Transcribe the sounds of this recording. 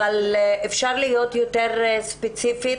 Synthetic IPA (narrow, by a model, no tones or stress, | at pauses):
alefʃaʁlijo̞t̪jot̪eʁspet͡sifi